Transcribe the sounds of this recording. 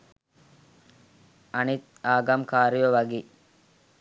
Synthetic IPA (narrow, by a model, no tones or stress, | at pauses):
ɐnit̪̚ | aːɡamkaːɾiʋoʋɐɡiː